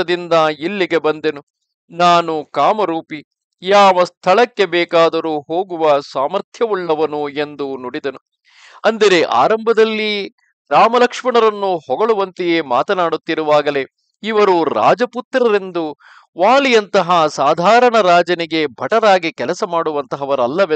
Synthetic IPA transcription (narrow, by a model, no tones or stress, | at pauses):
ɐd̪ind̪ɐilːiɡe̞bɐnd̪enu | naːnukaːmɐɾuːpi | jaːʋɐst̪ʰɐɭɐkːe̞bɛːkaːd̪ɐɾuɦo̞ːɡuʋɐsaːmɐɾt̪ʰjɐʋuɭːɐʋɐnue̞nd̪unoɽid̪ɐnu | ɐnd̪ɐɾeʔa̰ːɾɐmbʱɐd̪ɐlːi | ɾaːmɐlɐkʂmɐɳɐɾɐnːuhɔɡɐɭuʋɐnt̪ejeːmaːt̪ɐnaːɽut̪ːiɾuʋaːɡɐle̞ | iʋɐɾuɾa̰ːd͡ʒɐput̪ɾɐɾe̞nd̪u | ʋaːlijɐnt̪ɐɦɐsaːd̪ʱaːɾɐɳɐɾaːd͡ʒɐniɡe̞bʱɐʈɐɾaːɡikɛlɐsɐmaːɽuʋɐnt̪ɐɦɐʋɐɾɐlːɐʋe